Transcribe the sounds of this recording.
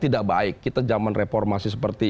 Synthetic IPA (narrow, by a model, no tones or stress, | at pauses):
t̪idaʔbaɪkːit̪ad͡ʒamanrefɔrmasis̬əpərt̪i